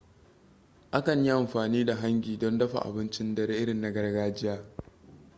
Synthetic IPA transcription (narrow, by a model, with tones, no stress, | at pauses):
ʔa˦kɐ˨ɲjɪ˦ʔa˨mɸaː˨niː˦da˨ɦa˦ŋɡʲiː˨dɔ˦ndɐ˦ɸa̰˨ʔa̰˨bɪ˦nt͡ʃɪ˦ndɐ˦ɽɪ˦ʔɪ˦ɽɪ˨nːa˨ɡɐ˦rɡaː˦d͡ʒɪ˦jaː˦